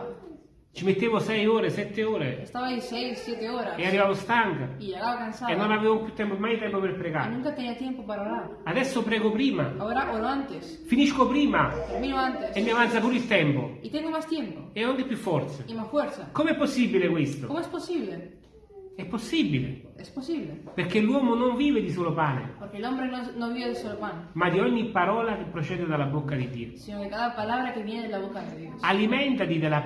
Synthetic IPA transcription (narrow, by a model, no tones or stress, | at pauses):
t͡ʃimet̪ːeːvʊsɛjoːɾesɛt̪ːeoːɾeest̪avaisɛjsːjɛt̪eɔɾasearːivavost̪aŋkaiʎeɣavakansaenːonavevopjut̪ːɛmpomajt̪ɛmpoperpɾeɡa̰nũŋkat̪ɛɲat̪jɛmpopaɾoɾaɾ | ad̪ɛsːʊpɾɛːɡʊpɾiːma̰aoɾaʔoɾoant̪ɪs | finiskopɾiːmat̪eɾminʊant̪esemːiavansapuːɾoilt̪ɛmpʊ̰it̪ɛŋɡomast̪jɛmpʊeɔŋkepjufːɔɾt̪seimasfwɛɾsakomeɛpːosːibilekwest̪okomoɛsposiβle | ɛpːosːibilḛ | ɛsposiβlepeɾkelːwɔːmonoɱviːved̪isoːlopaːnḛpoɾkelombɾenonõviβed̪isolopanemad̪iɔɲːipːaɾɔːlak̟epːɾot͡ʃɛːd̪ed̪alabokːad̪id̪ːḭːosinod̪ekaðapalaβɾakevjɛned̪elaβokadiðosalimɛnt̪at̪id̪ela